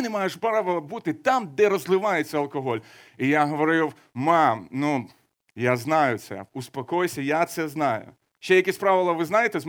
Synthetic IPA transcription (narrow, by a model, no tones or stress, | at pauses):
nɛmajeʂpɾaʋɪlˠɐbut̪ɪt̪amd̪ɛɾɔzlˠɪʋɑjet͡sʲːɐɐlˠkɔɦɔlʲ | ijaɦɔʋɔɾɪw | mɑmnu | jaznɑjʊt̪sɛ̰ʊspɐkɔjsʲɐjat̪sɛznɑjʊ̰ | ʃt͡ʃɛjɐkʲisʲpɾaʋɪlˠɐʋɪznajɪt̪ɛzm